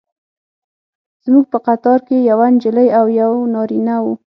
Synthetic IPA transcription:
z̥muɡ̚pəqat̪ɑɾkejawand͡ʒələjawjawnɑɾinawu

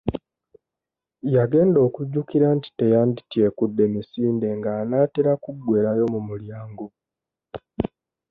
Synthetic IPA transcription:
jaɡe̞ːndo̞ːkuɟːukiɾanti̥te̞jaːndi̥tje̞kudːe̞misiːnde̞ŋɡaːnaːteɾakuɡwe̞ːɾajo̞mumuljaːŋɡo

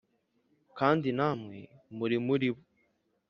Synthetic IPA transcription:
kaːndinamŋḛmuɾimuɾiβo

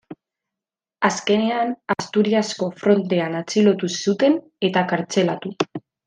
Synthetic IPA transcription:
aske̞ne̞anast̪uɾiasko̞fɾo̞nt̪e̞anat͡silo̞t̪usut̪e̞n | e̞t̪akaɾt͡se̞lat̪u

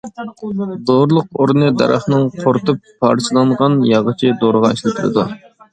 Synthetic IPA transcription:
d̪oɾlˠəq̚oɾnɨd̪ɛ̰ɾɑ̰χnɨŋqʰoɾt̪ɨpʰː | ɑ̰ɾt͡ʃʰɨlˠɑɴʁɑnjɑʁət͡ʃʰid̪oɾəʁɑeʃlˠɪt̪ʰuɾɨ̰d̪u

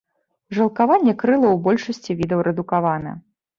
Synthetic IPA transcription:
ʐɐlˠkavanʲːɛkɾɨlˠɐwbɔlʲʂɐsʲt͡sʲivʲid̪ɐwɾɛd̪ukavanɐ̰

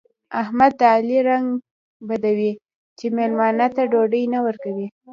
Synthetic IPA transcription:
ahmad̪̚ːaːliɾaŋɡ | bad̪awi | t͡ʃemelmɑnat̪aɖoɖəjnawəɾkawi

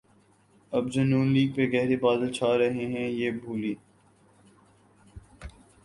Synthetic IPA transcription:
ɐbd͡ʒonuːnliːɡ̚peɡɛɦɾebaːd̪əlt͡ʃʰaːɾɐɦeɦɛ̃jeːbʱuːliː

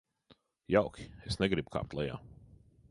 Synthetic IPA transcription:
jaʊkʲi̥esnɛɡɾib̥kʰa̰ːp̚t̪lˠɛja̰ː

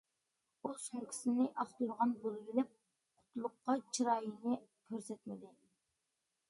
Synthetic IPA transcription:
usuŋkʲʰi̥sɪnɪʔɑχt̪uɾʁɑnbolˠɡʲilɪp̚ | qʰʊ̥t̪ʰlˠʊqːɑt͡ʃʰiɾɑːjinɪkʲʰøɾsɛt̪mɪd̪ɪ

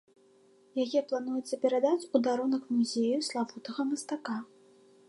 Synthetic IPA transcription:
jajɛplˠan̪ujut̪sɐpʲɛɾad̪at͡sʲud̪aɾunɐkmuzʲejuslˠavut̪ɐɣɐmɐst̪aka

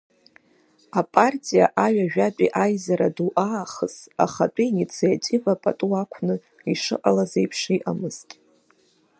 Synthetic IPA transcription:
apʼartʼija̰ʔaɥᶣaʒᶣat͡pʼiʔajzaɾaduʔaːχəsa̰χat͡pʼiinit͡sʰajatʼivapʼa̰tʼuakʷʰnɨ | iʂɨ̰ʔʼalazejpʰʂiʔamɨzkʲʼ

